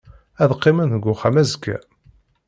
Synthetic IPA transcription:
æðqːɪmənðəɡʷːuχæmæzkːæ̰

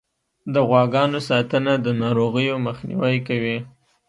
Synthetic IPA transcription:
d̪əɣwɑɡɑnosɑt̪ənad̪ənɑɾoɣəjoməxnḭwəjkawi

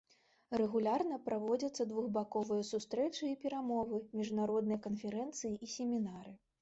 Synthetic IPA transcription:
rɛɣulʲarnɐpɾavɔd͡zʲɐt̪sːɐd̪vuɣbakɔvɨjɐsust̪ɾɛt͡ʂɨipʲɛɾamɔvɨmʲiʐnaɾɔd̪̚nɨjɐkɐnfʲɛɾɛnt̪sɨjiʔisʲemʲinaɾɨ

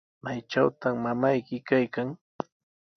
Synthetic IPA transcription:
majʈ͡ʂawt̪ammamajkɪkajkaŋ

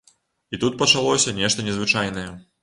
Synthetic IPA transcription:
it̪ut̪̚pɐt͡ʂalˠɔsʲɐnʲɛʂt̪ɐnʲɛzvɨt͡ʂajnɐjɛ

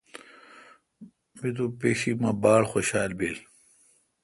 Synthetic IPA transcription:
mid̪upeːɕimabaːɽxoɕaːlbeːl

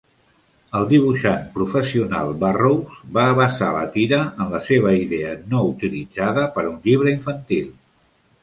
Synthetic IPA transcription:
əlˠd̪iβ̞uʃanpɾufəsiuna̰lˠbərowzbaːβəsa̰lə̰t̪iɾəːnləseβ̞əiðeənout̪ilid͡zaðəpəɾunʎiβ̞ɾəiɱfənt̪ilˠ

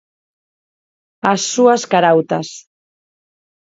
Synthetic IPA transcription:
asːuaskaɾawt̪as

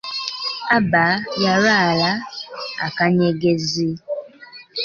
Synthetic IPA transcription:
abajaɾaalaa̰kaɲeɡezi

